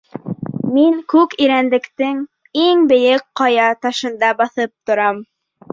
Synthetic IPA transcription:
miŋkʉkiɾænd̪ɘ̆kt̪ɘŋ | iŋbɘ̆jɘkqɑjɑt̪ɑʃɤ̆nd̪ɑbɑθɤp̚t̪ŏɾɑm

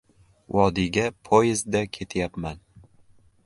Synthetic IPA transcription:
wɒd̪ɪɡʲapʰojɪzd̪akʲʰe̞t̪ʰjapman

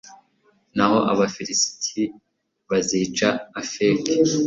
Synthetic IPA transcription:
naho̞ʔa̰βafiɾisi̥tʰi | βaziːt͡ʃaːfeki

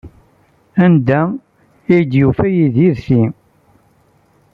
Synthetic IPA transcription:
ænd̪æ | ijd̪jufæjiðiɾθi

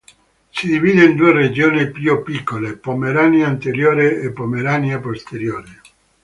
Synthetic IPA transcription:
sid̪iviːd̪eind̪uered͡ʒoːnipjupikːolepomeɾanjaint̪eɾjoːɾeepːomeɾanjapost̪eɾjoːɾe

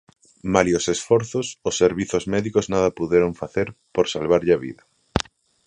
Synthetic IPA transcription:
maliosesfɔɾθososːeɾβiθozmɛðikoznaðɐpuðeɾoɱfaθeɾpoɾsalβaɾʎaβḭðɐ

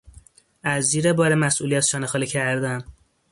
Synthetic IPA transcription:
æzːiːɾebɒːɾemæsʔṵlijæt̪ʃɒːnexɒːlicʰæɾd̪æn

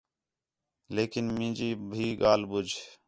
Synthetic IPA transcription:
leːkɪnmĩːd͡ʒiːbʱiːɠaːlɓʊd͡ʒʱ

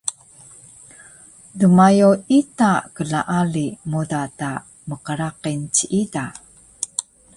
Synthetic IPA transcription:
dəmajuitakəɮa̰ʔalimudata | məqəɾaqint͡ɕiʔida

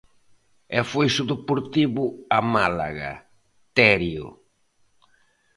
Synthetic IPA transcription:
ɛfojsuðupuɾt̪iβʊamala̰ɣa̰ | t̪ɛɾjo̰

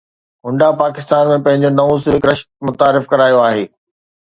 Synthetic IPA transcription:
ɦʊ̃ɳɖapaːkɪ̥st̪aːnmẽpɐ̃ɦɪ̃ɲ̆d͡ʑonɐʋũsɪʋɪkɾɐʃkmʊt̪aːɾɪfkɐɾaːjoaːɦeː

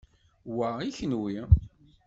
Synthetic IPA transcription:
wæiçənwi

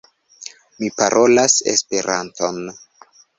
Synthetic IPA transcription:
mipaɾʔo̞lasḛspe̞ɾʔa̰nto̞n

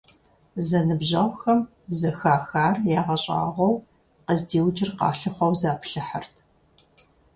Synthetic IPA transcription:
zɐnɨbʑɐwʷxɐm | zɐxaːxaːrjaːʁɐɕʼa̰ːʁʷɐw | qəzdiːwd͡ʒɪrqɑ̰ːɬɨχʷɔwzaːpɬɨħartʰ

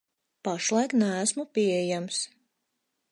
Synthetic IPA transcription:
paʃlˠajknæːsmupʲiɛjams

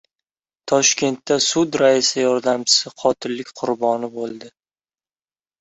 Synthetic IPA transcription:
t̪ʰɒʃkʲe̞nt̪ːasʊd̪ɾaɪsɪjɒɾd̪amt͡ʃʰɪ̥sɪqʰɒt̪ʰɪllːɪkʲqʰʊɾbɒnɪbolˠd̪ɪ

